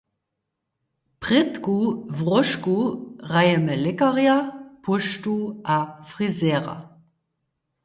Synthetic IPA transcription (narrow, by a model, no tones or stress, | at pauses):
pʁ̥ɪtkuvʁɔʃkuʁajɛmɛlɪkɐʁjapʰʊʃtuʔafʁizɛːʁa̰